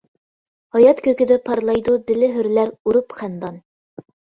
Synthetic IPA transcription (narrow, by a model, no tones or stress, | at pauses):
hɑjɑt̪kʲøkʲɪd̪ɛpʰɑɾlˠɑjd̪ud̪ɪ̆lɪɦyɾlæɾuɾupχænd̪ɑn